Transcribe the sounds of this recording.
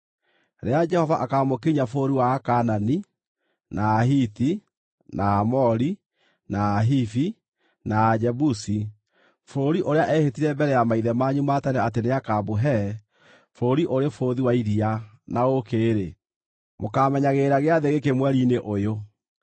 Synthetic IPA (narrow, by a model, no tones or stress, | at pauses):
ɾead͡ʒɛhɔvaʔakamokeɲafoɾiwaːkanani | naːɦiti | naːmɔɾi | naːɦifi | naːd͡ʒɛbusi | foːɾiʔoɾeaʔɛhetiɾɛmbɛɾɛjamaiðɛmaɲumatanɛateneakabuɦɛ | foɾiʔoɾefoːðiwaiɾia | naokeɾe | mokamɛɲaɣeːɾaɣeaðeɣekemwɛɾineʔojo